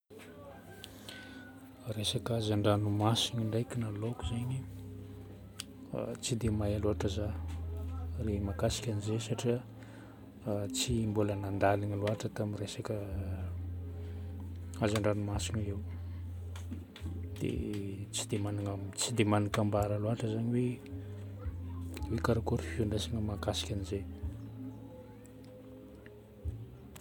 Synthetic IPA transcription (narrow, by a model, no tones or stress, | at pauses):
resakazaɳɖ͡ʐanumasiɲuɳɖ͡ʐajkʲinalokuzaɲi | t͡sid̪emajaloaʈ͡ʂaza | remakasi̥kʲanizesaʈ͡ʂiə | t͡simbulənand̪aliɲaluaʈ͡ʂət̪amiresakə | azaɳɖ͡ʐanimasiŋəew | d̪̥ḛt͡sid̪emanaŋamt͡sid̪emanikambaɾəluaʈ͡ʂəzaɲiwe | wekaɾakuɾifiuɳɖ͡ʐesaŋəmakasi̥kʲanize